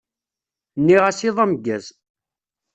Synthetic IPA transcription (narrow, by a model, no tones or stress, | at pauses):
nːiʁasiðˤæmɡːæz